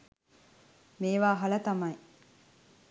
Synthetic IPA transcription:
meːʋaːɦɐlɐt̪ɐmɐj

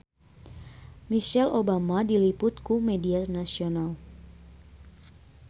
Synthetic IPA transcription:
miʃɛlʔobamadilipʊt̪kumedianasional

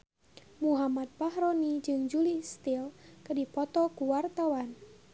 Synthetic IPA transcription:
muɦamad̪̚pahɾɔnid͡ʒɨŋd͡ʒulist̪ilkədipɔt̪ɔkuwart̪awan

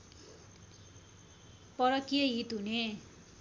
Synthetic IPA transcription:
pʌɾʌkijʌɦit̪ɦune

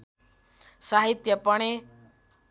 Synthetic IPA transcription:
saɦit̪jəpəɽ̃e

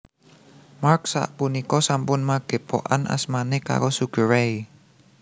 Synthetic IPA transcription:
marksa̰ʔpunikɔsampʊnmaɡ̥e̤po̰ʔa̰nʔa̰smaneka̰ɾosuɡ̥ə̤ɾej

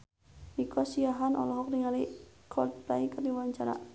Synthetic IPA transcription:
nikʰɔsiaɦanɔ̰lɔɦɔk̚diŋalikʰɔt̪plaikatiwaɲt͡ʃana̰

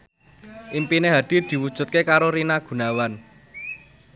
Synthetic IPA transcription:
ʔimpineɦad̪̥i̤d̪̥i̤wud̥ʒ̥ṳt̪̚kekaɾoɾinaɡ̥ṳnawan

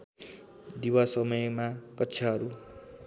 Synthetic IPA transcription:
d̪iwasʌmʌjmakʌtːsʰʌɦʌɾu

